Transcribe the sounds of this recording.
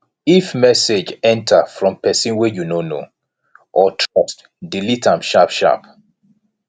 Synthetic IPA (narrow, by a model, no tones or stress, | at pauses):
ifmɛsed͡ʒɛ̃ntʰafɹɔ̃mpɛsĩnwɛjunono̰ | ʔɔtʰɹɔst | dilitãmʃapʃa̰p